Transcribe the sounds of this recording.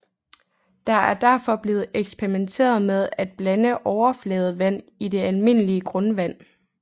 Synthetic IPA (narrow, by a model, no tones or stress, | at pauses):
d̥ɑ̈æɐd̥æɐfɒ̽b̥le̝ːð̞̩ˠeɡ̥sb̥eʁiment͡sʰe̝̰ːɐð̞ˠmeð̞ˠæd̥̚b̥lænəʔɒʊɐflɛːð̞̩ˠʋæn̰id̥e̝ælme̝n̰əliəɡ̥ʁɔ̽nʋæn̰